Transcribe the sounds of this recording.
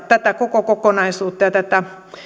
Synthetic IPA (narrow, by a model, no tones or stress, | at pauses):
t̪æt̪ækokokokonɑisuːt̪ːɑjɑt̪æt̪æ